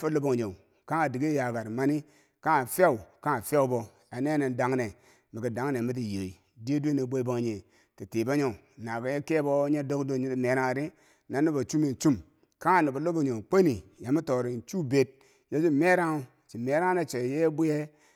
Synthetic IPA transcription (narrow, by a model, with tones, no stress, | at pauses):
fo˦lo˦bo˨ŋ˨ɲo˨ŋ | ka˦ŋa˨di˨ɡi˦ja˨ɡa˨ɾma˦ni˦ | ka˦a˨fʲa˦u˨ka˦˨fʲa˦u˦bo˨ | a˨ne˦ne˨n˦da˨˦ŋ˦ne˨ | mi˨ki˨da˨˦ŋne˨mi˦t̬i˨je˨i˨ | di˦du˦e˦ni˨bʷe˦bo˦ŋ˨ɲe˨ | ti˨te˨ba˦ɲo˨na˨ka˨˦je˦ke˦bo˦ɲe˦do˦kdo˦˨ɲi˦ti˨me˨ɾa˦ŋ˨ɾi˦ | na˨˦nːi˦ba˨t͡ʃu˦mi˨n̩˨˦t͡ʃu˦m | ka˦˨ni˨ba˨lo˦bo˨o˨ŋ˨k͡pe˦ni˨ja˨mi˦to˨ɾi˨n˨t͡ʃu˦be˨t̚ | ja˦d͡ʒu˦˨me˦ɾa˦ŋu˦ | t͡ʃi˨me˨ɾa˦ne˨t͡ʃe˨je˦bu˦je˦